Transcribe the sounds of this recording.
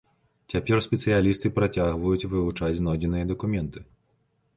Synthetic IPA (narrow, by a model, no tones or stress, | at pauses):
t͡sʲapʲɛrsʲpʲɛt̪sɨjalʲist̪ɨpɾat͡sʲaɣvɐjut͡sʲvɨvut͡ʂad͡zʲznɔd͡zʲɪnɨjɐd̪ɐkumʲɛnt̪ɨ